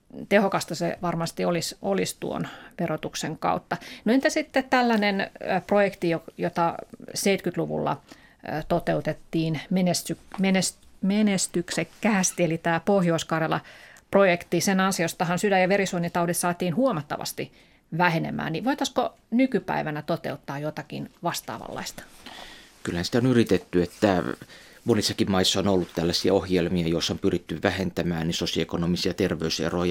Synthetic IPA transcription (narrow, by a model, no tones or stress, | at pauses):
t̪ehokɑst̪ɑsḛʋɑrmɑst̪iolisolist̪ṵo̰nʋerot̪ukseŋkɑ̰ut̪ːɑnoent̪æsit̪ːett̪ælːænenprojekt̪ijojot̪ɑseit̪kyt̪luʋṵlːɑ̰ | t̪ot̪eut̪et̪ːiːnmenest̪ykmenesmenest̪yksekkːæːst̪ielit̪æːpohjoiskɑrjɑlɑ̰projekt̪isenɑnsiost̪ɑhɑnsydæjɑʋerisuonit̪ɑudit̪sɑːt̪iːnhuomɑt̪ːɑ̰ʋɑ̰st̪i | ʋæhenḛmˑæ̰ːniʋoit̪ɑsko | nykypæ̰iʋænæt̪ot̪ḛut̪ːɑːjot̪ɑkḭnʋɑst̪ɑ̰ːʋɑ̰lːɑ̰ist̪ɑ̥ | kylːhænsi̥t̪onyrit̪et̪ːyet̪ːæ | monisːɑkimmɑisːɑonolːut̪t̪ælːæsiæohjelmiɑjoisːompyrit̪ːyʋʋæhent̪æmæːnnisosioekonomisiɑt̪erʋeysḛroj